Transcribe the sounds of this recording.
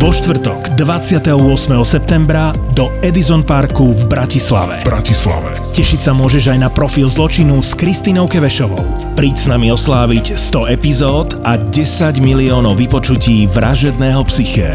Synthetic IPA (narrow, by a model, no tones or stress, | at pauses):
ʋɔʃt̪ʋr̩t̪ɔɡd̪ʋat͡sɪat̪ɛɦɔʊɔsmɛɦɔsɛp̚t̪ɛmbɾa | d̪ɔɛd̪izɔnpaɾkuvbɾacisla̰ʋɛ̰bɾa̰cisla̰ʋɛ̰ | cɛʃicʲsamʊɔʒɛʒajnapɾɔfilzlɔt͡ʃinuskɾist̪iːnɔʊkɛʋɛʃɔʋɔ̰ʊ | pɾiːcsnamiɔslaːʋicst̪ɔɛpizɔːd̪aɟɛsaɟmiliɔːnɔʊʋipɔt͡ʃuciːʋɾa̰ʒɛd̪nɛːɦɔpsixɛ̰